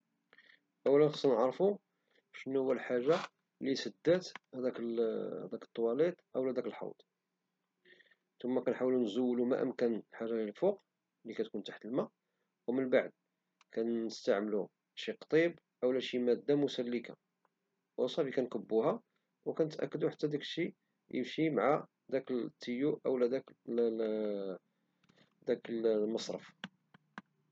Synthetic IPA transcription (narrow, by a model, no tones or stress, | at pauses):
ʔəwːælənxɑsnəʕɾˤfu | ʃnːuhʊwːælħaʒːa | lisəd̪ːæt̪hæd̪ækəhd̪ækə̥t̪ˤːwɑlit̪ˤʔəwlæd̪ækəlħɑ̰wd̪ˤ | t̪ʊmːækænħawlunzuwːlumæ̰ʔə̰mkænħaʒalilfuq | likæt̪kunt̪ḁħt̪əlma | wmənbaʕd̪̚ | kænəst̪aʕməlu | ʃiqt̪ˤib | ʔəwlæʃimæd̪ːamusælːika̰ | wʔəsˤɑfikænkəbːuhæ | wkænət̪ʔæ̰kːəd̪uħat̪ːæd̪æklʃi | jə̰mʃimʕa | d̪ækəlt̪ʰːijuʔə̰wlæd̪æk | d̪ækəlmɑsˤɾˤə̰f